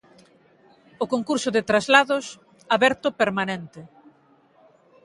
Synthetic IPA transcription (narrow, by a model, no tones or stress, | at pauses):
ʊkoŋkuɾsʊðɪt̪ɾazlaðʊs | aβɛɾt̪ʊpeɾmanɛnt̪ɪ